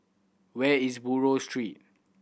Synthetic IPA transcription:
wɛisbuɹostɹit̚

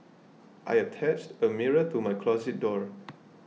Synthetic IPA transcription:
ʔa̰jətʰɛt͡ʃtəmiɹət̪ʰɹumajkʰlɔzɪt̚dɔɹ

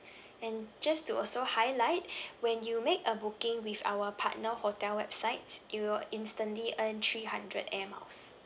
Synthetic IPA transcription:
ɛ̃nd͡ʒastuɔlsohaɪlaɪt̚wɛ̃njumekəbukɪ̃ŋwifa̰wəpʰa̰tnəhotɛlwɛbsaɪtsjulĩnstə̃nliʔə̃nt̪ʰɹihãndɹə̰dɛma̰ʊs

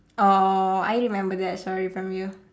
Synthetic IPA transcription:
ʔoa̰jɹimɛ̃mbəðɛtsɔɹifɹɔ̃mju

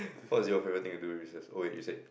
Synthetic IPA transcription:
fɔziofɛvɹit̪ĩŋtuduwiɹisəso̰ejṵse

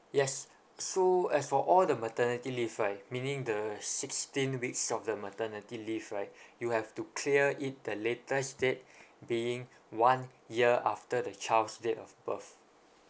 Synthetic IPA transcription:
jɛsː | oɛsfɔʔɔldəmətənitilivɹaɪmĩnĩŋdəsɪkstĩnwiksɔfdəmətənitilivɹaɪjuhɛftukʰliəʔit̚dəletəsdet̚biĩŋ | wãnjiəʔa̰ftədət͡ʃalsdeʔɔfbəf

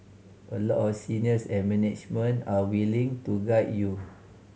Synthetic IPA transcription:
ʔəlɔʔɔfsiniəsɛ̃nmɛ̃nɛt͡ʃmə̃nawilĩŋtuɡajt̚ju

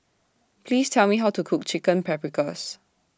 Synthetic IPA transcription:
pʰliːstʰɛlmiɦawtukʰuk̚t͡ʃikə̃npʰɛpɹikəs

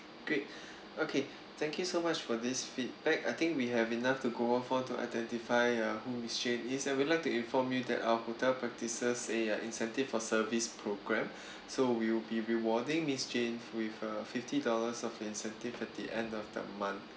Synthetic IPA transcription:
ɡ̥ɹet̚ | okʰe | t̪ʰɛ̃ŋkjusomat͡ʃfɔdisfit̚bɛkaɪt̪ɪ̃ŋkwiɦɛvinaftuɡohõfɔ̃tua̰ɪdɛ̃ntifaɪʌhumist͡ʃẽnisãwidlaɪk̚tuĩnfɔmjudɛ̰ta̰wəhotɛlpɹɛk̚tisəseʔĩnsɛ̃ntiffɔsəvispʰɹoɡɹɛ̃m | sowiwɪbiɹiwɔdɪ̃ŋmist͡ʃẽnwifəfiftidɔləsɔfĩnsɛ̃ntivɛt̚diʔɛ̃ndɔfdə̰mãnθ

